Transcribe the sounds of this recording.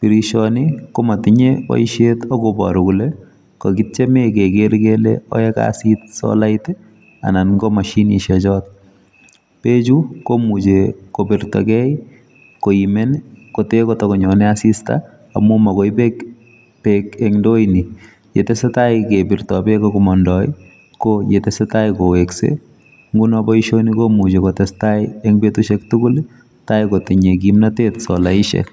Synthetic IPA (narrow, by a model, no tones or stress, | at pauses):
piɾiʃɔnikomatiɲewɔ̰iʃetaɡobɔ̰ɾukule | kɔkit͡ʃɛmekekeɾkelḛɔ̰jɛka̰sit̚sɔ̰laitɛ | a̰nanɡomaʃiniʃɛt͡ʃɔt̚ | pet͡ʃukomut͡ʃekobirtɔ̰kɛj | koimɛnkotekotɔkɔɲɔnɛasista̰ | a̰mumakɔjpek | pekɛŋndojni | d͡ʒetɛsetajkebɪrtɔbɛkɔkɔmɔndɔj̰ | kojetɛsetajkoweksḛ | ŋɡunɔbɔiʃonikomut͡ʃekotɛstajɛŋbetuʃɛk̚tukul | tajkotɛɲekimnateːtsɔlaiʃɛ̰